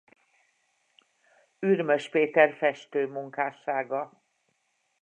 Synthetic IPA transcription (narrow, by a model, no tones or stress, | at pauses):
yrmø̞ʃpeːt̪ɛrfɛʃt̪øːmuŋkaːʃaːɡɒ